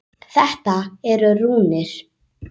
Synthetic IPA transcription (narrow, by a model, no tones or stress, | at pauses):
θɛht̪aɛɾʏruːnɪɾ̥